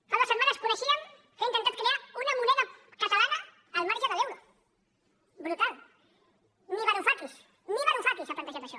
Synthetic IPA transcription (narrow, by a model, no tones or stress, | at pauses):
kaðosemanaskuɾesiaŋ | eint̪ent̪aɾkɾeaɾunamuneðakasalaðaː | lmaɾt͡ʃaðeðewða | bɾut̪al | niβaɾofak̪is | niɣaɾõfak̪ilsaplant̪aʒaɾaʃo